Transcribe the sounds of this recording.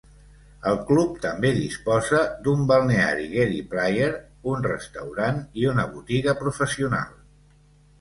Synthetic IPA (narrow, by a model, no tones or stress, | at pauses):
əlˠklup̚t̪əmbeðispɔzəd̪umbəlˠnea̰ɾiɣɛɾiplajeɾ | unrə̰st̪əwɾaniunəβ̞ut̪iɣəpɾufəsiuna̰lˠ